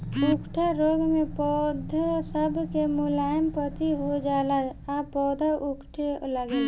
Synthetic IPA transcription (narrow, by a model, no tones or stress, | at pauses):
ʊkʈʰaɾoːɡmẽpɔːd̪ʱasəbkemʊlaːjəmpət̪ʰiɦod͡ʒaːlaaːpɔːd̪ʱaʔʊkʈʰeləɡẽː